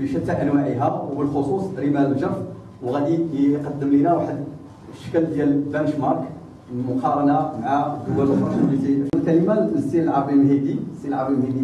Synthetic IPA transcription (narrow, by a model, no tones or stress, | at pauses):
bəʃət̪ːæʔænwaʕiɦæwəlxosˤusˤɾimælʒæɾf | wɣæd̪iqɑd̪ːəmlinæwaħəd̪ | ʃə̥kld̪jælbænəʃmɑɾˤk | mʊqɑɾˤɑnamaʕaɡəd̪ælfɑʃəmlit̪iəlkæləmaəsːiəlʕɑˤbimlɦid̪isilʕɑɾbimhid̪i